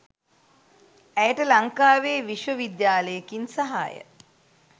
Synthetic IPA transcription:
æjəʈəlaŋkaːʋeːʋiʃʋəʋid̪jaːləjəkinsaɦa̰ːjə̰

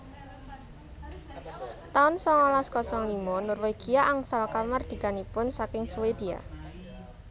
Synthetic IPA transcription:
t̪aʊnsɔŋɔlaskɔsɔŋlimɔnʊrweɡ̥ijaʔaŋsalkamard̪̥i̤kanipʊnsakɪŋsuwed̪̥ia̰

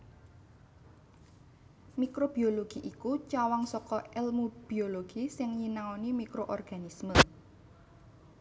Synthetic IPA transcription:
mikɾob̥ioloɡ̥iʔikut͡ʃawaŋsɔkɔɛlmub̥ioloɡ̥isɪŋɲinaonimikɾoʔɔrɡ̥anismə

